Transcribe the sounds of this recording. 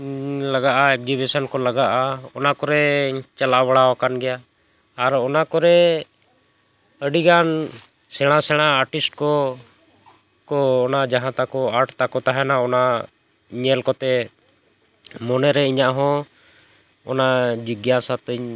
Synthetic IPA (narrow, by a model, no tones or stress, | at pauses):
ləɡaʔaɛk̚d͡ʒibisənkɔləɡaʔaɔnakɔɾɛt͡ʃalaʔbəɽawakanɡɛjaː | ɾɔnakɔɾɛ | əɖiɡan | sɛɽ̃asɛɽ̃aːɾʈisʈ̚kɔ | kɔːnad͡ʒaɦãt̪akɔaɾʈt̪akɔt̪aɦɛnaɔna | ɲɛlkɔt̪ɛ | mɔnɛɾɛiɲaʔɦɔ̃ | ɔ̰nad͡ʒiɡjasat̪əɲ